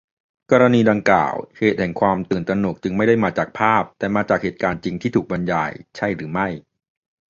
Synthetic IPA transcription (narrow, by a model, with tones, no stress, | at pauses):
kɔː˧ɾa˧niː˧da˧ŋkla̰ː˨˩wheː˨˩t̪̚hɛ˨˩ŋkʰwaː˧mt̪ɯː˨˩nt̪ɾa˧nu˨˩˦k̚t͡ɕɯ˧ŋma˥˩jda˥˩jmaː˧t͡ɕaː˨˩k̚pʰaː˥˩p̚t̪ɛː˨˩maː˧t͡ɕaː˨˩k̚heː˨˩t̪̚kaː˧nt͡ɕi˧ŋt̪ʰiː˥˩t̪ʰuː˨˩k̚ba˧nja̰ː˧jt͡ɕʰa˥˩jɾɯː˩˦ma˥˩j